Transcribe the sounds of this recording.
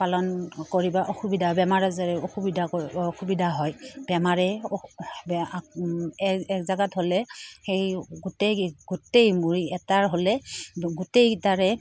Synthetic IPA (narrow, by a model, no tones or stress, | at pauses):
palɔnkoɹibaʔoxubidʱaɦɔbɛmaɹazaɹɛoxubidʱaoxubidʱaɦɔjbɛmaɹɛ | b | ɛkzaɡatholɛxejɡutejɡutejmuɹiɛtaɹɦolɛɡutejtaɹɛ